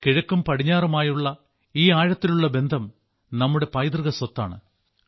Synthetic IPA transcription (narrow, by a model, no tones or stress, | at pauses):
kiɻɐkːumpɐɽiɲːaːrumaːjuɭːɐ | iːaːɻɐt̪ːiluɭːɐbe̞nd̪ʱɐm | nɐmːuɽe̞pɐjd̪rɨɣɐswɐt̪ːa̰ːɳɨ̰